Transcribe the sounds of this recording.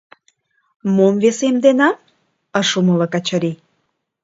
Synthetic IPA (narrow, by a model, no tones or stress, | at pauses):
momvesemd̪enɑ | əʃumələkɑt͡ɕəɾi